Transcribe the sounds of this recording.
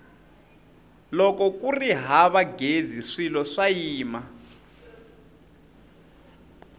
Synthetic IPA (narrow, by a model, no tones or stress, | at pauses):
lɔkɔkuriɦaβaɡeziʂilɔʂajiːma